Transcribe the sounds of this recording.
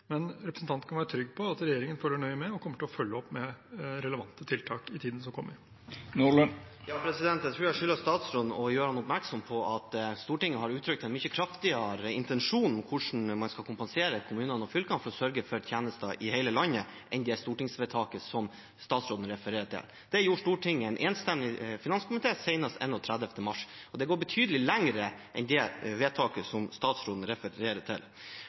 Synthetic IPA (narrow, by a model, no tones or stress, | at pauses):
mɛnɾɛpɾəsn̩t̪ɑnt̪kɑnʋæːɾət̪ʰɾʏɡːpʰɔɑt̪ɾɛjeːɾɪŋənføːləɳœʏmɛɔkʰɔmːəʈɪlɔfœlːəɔpːmɛɾɛləʋɑnt̪ət̪ʰɪlt̪ʰɑːkɪt̪ʰiːd̪nəs̬ɔmkɔmːəɾ | nulə | jɑːpʰɾɛsɪd̪ɛnt̪jæɪt̪ʰɾuːæʂʏləst̪ɑːt̪sɾoːd̪nɔjøːɾəhɑnʊpmæɾksɔmpʰɔʔɑt̪st̪uːʈɪŋːəhɑɾʉːt̪ʰɾʏk̚t̪ɛɪnmʏçːəkʰɾɑft̪ɪɑɾəɪ̰nt̪ɛnʂuːnɔkʰʊʂn̩mɑnskɑlkʰʊmpɑnseːɾəkʰʊmʉːnənɔfʏlkɑnfɔɾɔsœɾɡəfœɾt̪ʰjæːnəst̪ɑʔɪhɛɪləlɑnːə | ʔɛnd̪ɛst̪uːʈɪŋsʋeːt̪ʰɑːkəsɔm | st̪ɑːt̪sɾoːd̪n̩ɾɛfəɾeːɾəʈʰɪ̰l | d̪̥ɛjuːʂtuːʈʰɪŋːɛɪnʔeːnst̪ɛmlɪfɪnɑnskʰʊmɪt̪ʰeːsɛɪnɑst̪ɛ̰nɔt̪ʰɾæd̪ɛft̪əmɑʂɔd̪ɛɡoːɾbət̪ʰyːd̪əlɪlæŋɾəʔɛ̰nd̪ɛʋeːt̪ʰɑːkəsɔmst̪ɑːt̪sɾoːd̪n̩ɾɛfəɾeːɾətʰɪ̰l